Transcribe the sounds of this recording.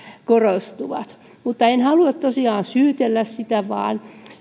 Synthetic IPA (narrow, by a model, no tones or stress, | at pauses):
korost̪uʋɑ̰t̪ | mut̪ːɑenhɑluɑt̪t̪osiɑːnsyːt̪elːæssit̪æʋɑ̰ːn